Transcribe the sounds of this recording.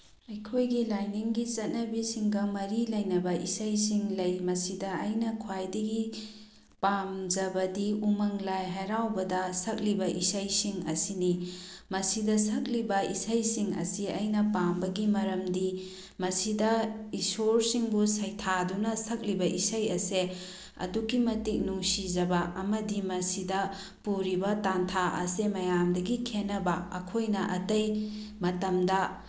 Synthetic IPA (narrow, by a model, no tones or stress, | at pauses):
ɐjkʰojɡilajniŋɡit͡ʃɐt̚nɐbisiŋɡɐmɐɾilɐjnɐbɐʔḭsɐjsiŋlɐjmɐsidɐːjnɐkʰuwajdiɡi | pamd͡ʒɐbɐdiumɐŋlajɦajɾawbɐdɐsɐk̚libɐʔisɐjsiŋɐ̰sinimɐsidɐsɐk̚libɐisɐjsiŋɐ̰siɐ̰jnɐpambɐɡimɐɾɐmdi | mɐsidɐisoɾsiŋbusɐjtʰadunɐsɐk̚libɐʔisɐjɐse | ɐ̰dukimɐtik̚nuŋsid͡ʒɐbɐʔɐmɐdimɐsidɐ | puɾibɐtantʰaʔɐ̰semɐjamdɐɡikʰenɐbɐɐkʰojnɐʔɐtɐjmɐtɐmdɐ